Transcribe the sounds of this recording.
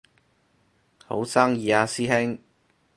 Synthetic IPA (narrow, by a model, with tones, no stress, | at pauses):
ho̰˨˥wsaː˥ŋjiː˨˧aː˧siː˥hɪ˥ŋ